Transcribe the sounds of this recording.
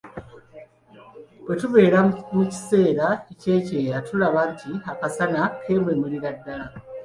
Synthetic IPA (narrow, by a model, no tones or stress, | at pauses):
bwe̞tuβe̞ːɾamuci̥se̞ːɾaece̞ːce̞ːɾatulaβantiɦakasanakʰe̞ːmwe̞muliɾadːala